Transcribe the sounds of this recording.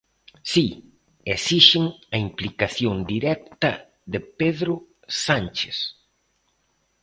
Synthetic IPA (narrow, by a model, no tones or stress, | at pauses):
si | esiʃɪŋɐimplikaθjond̪iɾɛk̚t̪ɐ | ðepeðɾʊ | sant͡ʃes